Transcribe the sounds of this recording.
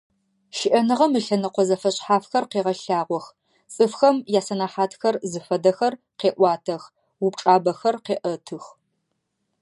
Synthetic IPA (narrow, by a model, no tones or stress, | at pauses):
ʃɪʔɐnɨʁɐmɨɬɐnɐqʷɔzɐfɐɕʼħaːfxɐrqeːʁɐɬaːʁʷɔx | t͡sʼɨfxɐmjaːsɐnaːħaːtʰxɐrzɨfɐdɐxɐr | qeːʔʷɑːtʰɐx | wʊp̚ʈ͡ʂʼaːbɐxɐrqeːʔɐtʰɨx